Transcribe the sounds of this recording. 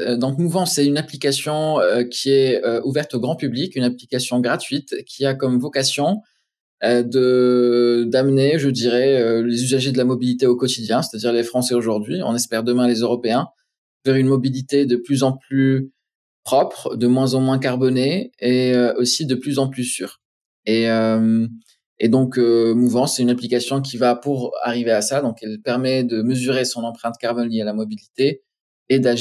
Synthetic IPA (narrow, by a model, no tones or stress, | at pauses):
d̪ɑ̃k̪muvɑ̃sɛynaplikasjɔ̃økʲʰiɛøuvɛʁt̪oɡʁɑ̃pyblikʲynaplikasjɔ̃ɡʁat̪ɥit̪kʲʰiakɔmvɔkasjɔ̃ | ød̪ə | d̪amneʒəd̪iʁɛølezyzaʒed̪əlamɔbilit̪eokɔt̪id̪jɛ̃se̥t̪ad̪iʁlefχɑ̃sɛoʒuʁd̪ɥiɔ̰̃nɛspɛʁd̪əmɛ̃lezøʁɔpeɛ̃ | vɛʁynmɔbilit̪ed̪əplyzɑ̃ply | pχɔpχd̪əmwɛ̃zɑ̃mwɛ̃kaʁbɔneeøʔosid̪əplyzɑ̃plysyːʁ | eøm | ed̪ɔ̃kømuvɑ̃sɛt̪ynaplikasjɔ̃k̬ʲivapuʁa̰ʁiveasad̪ɔ̃kɛlpɛʁmɛd̪əməzyʁesɔ̃nɑ̃pχɛ̃t̪kaʁbɔnlialamɔbilit̪eː | d̪a